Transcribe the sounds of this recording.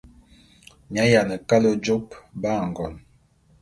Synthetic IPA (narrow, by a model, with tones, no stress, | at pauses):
mi˨a˨˦ja˨nə˨ka˦lo˦d͡ʒo˦pba˦˨ŋ˨ɡɔ˨n